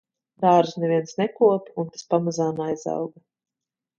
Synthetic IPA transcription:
d̪aːɾsnɛvʲiɛnsnɛkuɔpunt̪ḁspamazaːnajza̰wɡa

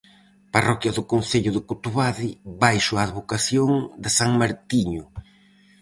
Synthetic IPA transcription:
parɔkjɐðʊkonθeʎʊðɪkot̪uβaðɪβajʃʊaːðβokaθjoŋd̪ɪsaŋmaɾt̪iɲʊ

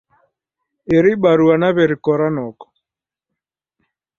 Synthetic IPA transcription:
eɾiɓaɾuanaβɛɾikɔɾanɔkɔ̥

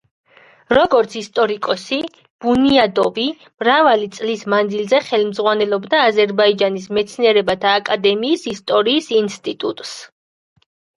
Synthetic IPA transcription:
ɾɔɡɔɾt̪sʰist̪ʼɔɾikʼɔsi | b̥uniad̪ɔvi | mɾavalit̪sʼlismand̪zilzɛχɛlmzʁwanɛlɔbd̪aːzɛɾbaid͡ʒanis̬mɛt̪sʰniɛɾɛbat̪ʰaːkʼad̪ɛmiːsist̪ʼɔɾiːsinst̪ʼit̪ʼut̪ʼs

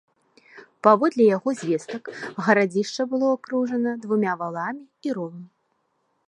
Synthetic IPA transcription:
pavɔd̪lʲɛjaɣɔzʲvʲɛst̪ɐkɣɐɾad͡zʲiʂt͡ʂɐbɨlˠɔakɾuʐɐnɐd̪vumʲavalˠamʲiiɾɔnʲi

